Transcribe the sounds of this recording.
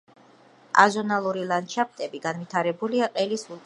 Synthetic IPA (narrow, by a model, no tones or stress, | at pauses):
a̰zɔnalˠuɾilˠant͡ʃʰap̚ʰt̪ʼɛbiɡanvit̪ʰaɾɛbuliaqʼɛlisul